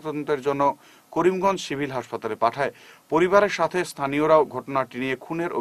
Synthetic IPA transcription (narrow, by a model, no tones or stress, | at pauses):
t̪ɔd̪ont̪eɾd͡ʑonːo | koɾimɡɔnd͡ʑʃibʱilɦaʃpat̪alepaʈʰaepoɾiβaɾeɾʃat̪ʰest̪ʰanioɾaoɡʱɔʈonaʈinijekʰuneɾʔo̰